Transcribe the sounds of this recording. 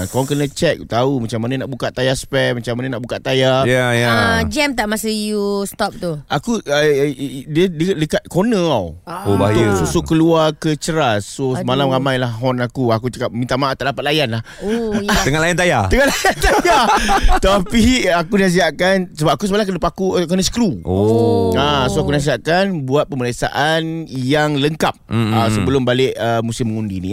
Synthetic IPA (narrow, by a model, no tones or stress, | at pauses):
kawaŋkənə̃t͡ʃɛk̚ut̪aumat͡ʃamːananaʔbukaʔt̪ajaspɛmat͡ʃamːanãnaʔbukaʔt̪ajajajad͡ʒɛmt̪aʔmasəjust̪ɔp̚t̪uakuədiədədəkat̪̚konə̃awobat̪ʊsusokəluakət͡ʃəɾasːosəmalamɾamãjlahɦɔnakuakut͡ʃəkap̚mint̪amaʔat̪aʔdapat̪̚lajanlah | t̪əŋalajant̪̬ajaəŋanlajant̪ajat̪apiakunãs̬iaʔkansəbap̚akusəmalaŋkənəpakukənə̃sə̥kɾuoasoakunãs̬iaʔkanbuat̪̚pəmələsa̰ʔanjaŋləŋkap̚asəbəlʊmbalɪʔəmũsɪmːəŋundinḭ